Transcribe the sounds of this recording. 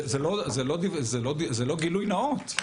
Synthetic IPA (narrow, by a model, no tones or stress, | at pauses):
zelozelod̪ivzelod̪izelo̞ɡilujnaot̪